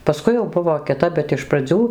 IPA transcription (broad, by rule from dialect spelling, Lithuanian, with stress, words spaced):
pɐˈskʊɪ jɛʊ ˈbʊʋoː kʲɪˈtɐp bʲɛt ɪʃ prɐˈd͡zʲuː